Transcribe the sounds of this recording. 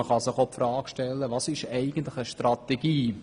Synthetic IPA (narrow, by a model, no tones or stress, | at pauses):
əχɑsɪχopfɾɑːkʃtɛlːəʋɑsɪʃɛɪɡən̩t̪lɪχəʃtrɑt̪ɛɡiː